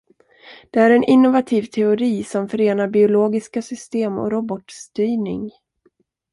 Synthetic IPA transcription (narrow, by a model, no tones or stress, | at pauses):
d̪̥ɛæɾɛnʔɪnːʊvat̪ʰiːvt̪ʰɛʊɾiːsɔmfœɾeːnaɾbɪʊloːɡɪskasʏst̪eːmɔ̰ɾɔbɔt̪st̪yːnɪ̰ŋ